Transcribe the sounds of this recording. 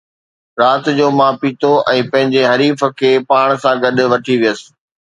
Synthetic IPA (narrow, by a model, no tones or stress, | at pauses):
ɾaːt̪d͡ʑoːmãːpiːt̪ʰoʔɛ̃ːpɐ̃ɦɪ̃ɲd͡ʑeɦɐɾiːfə̆kʰeːpaːɽ̃sãɡɐɗʊ̆ʋɐʈʰiʋijəsɪ̥̆